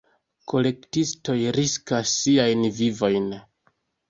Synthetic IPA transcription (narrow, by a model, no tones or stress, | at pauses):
kʰo̞le̞ktisto̞jɾiskasːiajnvivo̞jn